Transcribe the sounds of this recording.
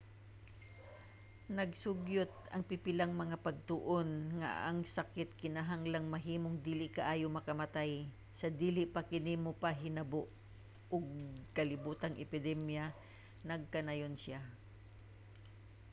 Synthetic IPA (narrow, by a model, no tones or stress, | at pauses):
nɐɡ̚sʊɡjot̪̚ɐŋpɪpɪlaŋmɐŋapɐɡ̚t̪ʊʔonŋa̰ʔɐŋsɐkɪt̪̚kɪnaɦaŋlaŋmɐɦiːmoŋd̪iːlɪʔkɐʔaːjomɐkɐmɐt̪aj | sɐd̪iːlɪpakɪnimopaɦɪnɐboʔ | ʔoɡ̚kɐlɪbuːt̪ɐŋʔɛpɪd̪ɛmja | nɐɡ̚kɐnajonsja